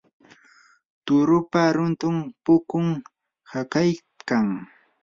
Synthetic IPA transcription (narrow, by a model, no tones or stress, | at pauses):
t̪ʊɾʊpaɾʊnt̪ʊmpʊkʊŋ | hakaj | kaŋ